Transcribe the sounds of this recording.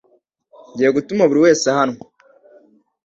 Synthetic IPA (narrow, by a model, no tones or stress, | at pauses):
ɲɟijeɡutumaβuɾiwe̞ːsahano